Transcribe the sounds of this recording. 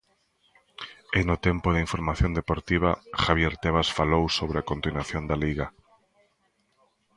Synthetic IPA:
enʊt̪empʊðɪiɱfoɾmaθjõnd̪epoɾt̪iβ̞a̰xaβjeɾt̪eβ̞asfalowsoβɾeakont̪inwaθjond̪aliɣa

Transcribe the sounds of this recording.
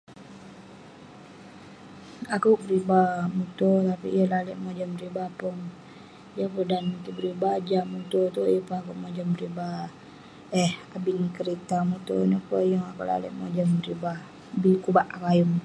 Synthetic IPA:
akuʔbəɾibamut̪ot̪apḭjəlaleʔmod͡ʒambəɾibapʊn | jəpudanmut̪ubəɾibad͡ʒamut̪ot̪ujəpuakuʔmod͡ʒambəɾiba | ehkabinikəɾit̪amut̪o̰nəpəjɔŋakuʔla̰lḛʔmod͡ʒambəɾiba | bikubaʔakajʊm

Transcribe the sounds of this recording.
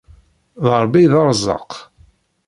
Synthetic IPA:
ðəɾˤbiðɑɾˤzˤɑ̰q

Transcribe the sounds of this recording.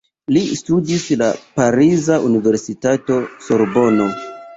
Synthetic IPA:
listudislapaɾizaʔunive̞ɾsitato̞soɾbo̞no̞

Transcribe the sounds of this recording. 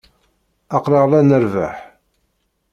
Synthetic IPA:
ɑqɾɑʁlænəɾva̰ħ

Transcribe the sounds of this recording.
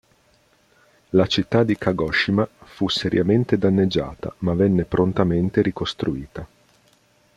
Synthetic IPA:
lat͡ʃit̪ːad̪ːikaɡɔʃːimafuseɾjament̪ed̪anːed͡ʒːa̰ːt̪a̰mavɛnːepɾʔont̪ament̪eɾikost̪ɾuiːt̪a

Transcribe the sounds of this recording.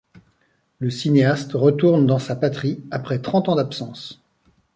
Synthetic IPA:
ləsineast̪ʁət̪uʁnd̪ɑ̃sapat̪χiapχɛt̪χɑ̃t̪ɑ̃d̪apsɑ̃s

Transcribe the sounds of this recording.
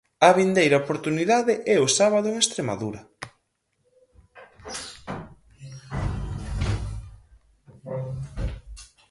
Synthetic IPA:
ɐβind̪ejɾɐopoɾt̪uniðaðɪʔɛʊsaβaðʊeŋest̪ɾema̰ðuɾɐ

